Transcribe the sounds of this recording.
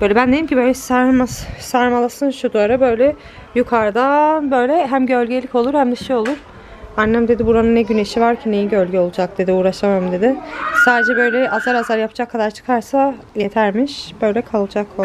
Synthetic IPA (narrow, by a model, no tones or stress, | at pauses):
b̥øjlʲɛbænd̪eimcʰʲibø̞jlʲɛsaɾmassaɾmalˠasɯnʃud̪uaɾabø̞jlʲɛ | jukʰaɾd̪anbø̞jlʲɛɦæmɟø̞lʲɟelʲico̞lˠuɾhæmd̪ɛʃijo̞lˠuɾ̥ | anːæmd̪e̞d̪ibuɾanɯnːɛɟyne̞ʃivaɾcʰine̞jiɟø̞lʲɟʲɛo̞lˠud͡ʒak̚d̪e̞d̪iuːɾaʃamajmd̪e̞d̪ɪsaːd̪ed͡ʒɛbø̞jlʲɛʔazaɾazaɾjapʰad͡ʒakʰːad̪aɾt͡ʃʰɯ̥kʰaɾsa | jet̪ʰæɾmiʃbø̞jlʲɛkʰalˠd͡ʒakʰo